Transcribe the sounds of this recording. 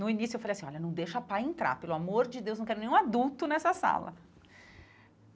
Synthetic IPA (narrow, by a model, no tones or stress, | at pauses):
nʊinisjʊewfalejsĩɔʎɐnɐ̃w̃d̪ejʃapajẽnt̪ɾa̰ɾpelʊamoɾd͡ʒɪd̪ewznɐ̃w̃kɛɾʊnẽũad̪uwt̪ʊnɛsɐsa̰lɐ̰